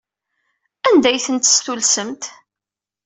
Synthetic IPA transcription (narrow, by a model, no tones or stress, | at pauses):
ænd̪æjθənt̪st̪ulsəmt̪